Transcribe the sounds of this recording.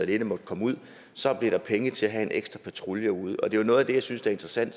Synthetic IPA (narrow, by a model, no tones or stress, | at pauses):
lenəmɒ̽d̥əkʰɒ̽muð̞̰ˠ | sɒ̽b̥le̝ɾɑ̈pʰeŋət͡sʰe̝æɦæe̝nʔeɡ̥sd̥ʁɐpʰæt͡sʰʁuljɐuð̞ˠɒ̽d̥e̝jonɔ̽ːð̞̩ˠɐd̥ejɑ̈ɪsynsd̥eɐe̝nd̥ʁɐsæn̰d̥